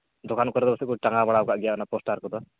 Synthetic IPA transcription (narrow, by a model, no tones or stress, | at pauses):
d̪ɔkankɔɾɛd̪ɔbɔsikuʈaŋɡabaɽaʊkaʔɡijakɔnapɔsʈaɾkɔt̪ɔ